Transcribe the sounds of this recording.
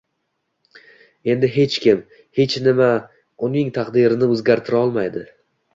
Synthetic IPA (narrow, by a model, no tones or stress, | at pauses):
e̞nd̪ɪɦe̞t͡ʃkʲɪm | he̞t͡ʃnɪma | ʊnɪŋt̪ʰaqd̪ɪɾɪnɪɵzɡʲaɾt̪ʰɪɾaɒlˠmajd̪ɪ